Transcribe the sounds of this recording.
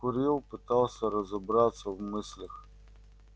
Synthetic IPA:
kʊɾʲilˠpɨt̪alˠsʲɐɾɐzɐbɾat̪sɐvmɨsʲlʲɐx

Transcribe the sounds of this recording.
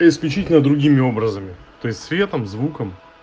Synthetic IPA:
ɪsklʲʉt͡ɕitʲɪlʲnəd̪ɾʊɡʲimʲɪo̞bɾəzəmʲɪt̪o̞ɪsʲtʲsvʲe̞t̪əmzvukəm

